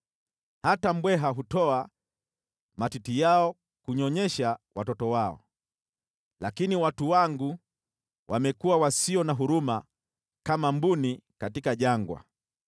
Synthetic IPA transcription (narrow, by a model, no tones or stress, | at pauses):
hatam̩bwɛɦaɦutɔa | matitijaɔ | kuɲɔɲɛʃawatɔtɔwaɔ̰ | lakiniwatuwaŋɡu | wʔamɛkuwawasiɔnaɦuɾuma | kamambunikatikaʄaŋɡwa̰